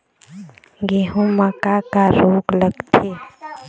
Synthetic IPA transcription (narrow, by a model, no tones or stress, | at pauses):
ɡeɦũməkakaɾoːkləɡt̪ʰeː